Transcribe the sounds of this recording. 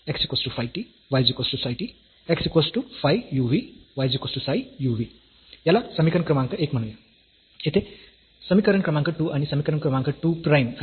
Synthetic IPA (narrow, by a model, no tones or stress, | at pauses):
eksikosʈupʰajʈi | wajd͡zukosʈusajʈi | eksikosʈupʰajjubiwajd͡zukosʈusajjubi | jalasʌmikɾnkrʌmaŋkoʔek̚mʌnũjo | et̪ʰe | sʌmikʌɾənkrʌmaŋkoʈuʔɐnisʌmikʌɾənkrʌmaŋkoʈuprajmʌ